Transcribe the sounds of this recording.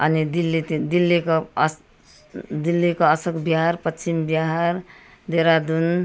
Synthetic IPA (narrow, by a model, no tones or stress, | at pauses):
ʌnid̪ilːit̪d̪ilːiko | d̪ilːikoʌsʌkbjʌɦaɾpʌt͡ʃʰimbjʌɦaɾ | d̪eɾad̪un